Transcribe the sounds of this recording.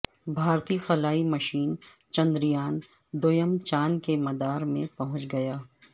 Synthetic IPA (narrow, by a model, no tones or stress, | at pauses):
bʱaːɾt̪ixɐlaːimɐʃiːn | t͡ʃɐ̃nd̪ɾijaːn | d̪oːjəmt͡ʃaːnkemɐd̪aːɾmẽpɐɦʊ̃t͡ʃɡɐjaː